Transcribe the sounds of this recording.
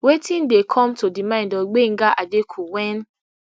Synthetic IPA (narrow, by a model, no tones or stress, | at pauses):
wetĩn̩dekʰɔmtodimãɪ̃ndɔɡ͡beŋ̩ɡaʔadekʰuwɛn